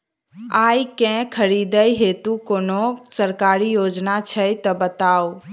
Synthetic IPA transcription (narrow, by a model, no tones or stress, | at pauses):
ajkɛ̃kʰəɾid̪əjɦet̪ukonosəɾkaɾijod͡ʒnat͡ʃʰəjt̪ɔbət̪ao